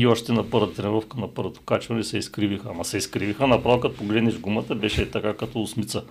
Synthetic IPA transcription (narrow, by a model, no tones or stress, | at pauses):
iɔʃt̪ɛnɐpɤɾvət̪ət̪ɾɛnɛɾɔfkənɐpɤɾvɐt̪o̥kat͡ʃvɐnɛsɛiskɾivixəmɐsɛiskɾivixənɐpɾalˠkət̪̚poɡlɛd̪nɛʒɡumɐt̪əbɛʃɛt̪ɐkakɐt̪ɔʊsmit̪sə